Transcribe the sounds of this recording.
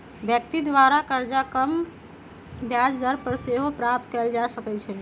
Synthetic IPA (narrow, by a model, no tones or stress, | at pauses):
bjək̚t̪id̪ʋaɾakəɾd͡ʒakəm | bjad͡ʒd̪əɾpəɾseɦopɾap̚t̪kɛld͡ʒasəkɛt͡ʃʰɛ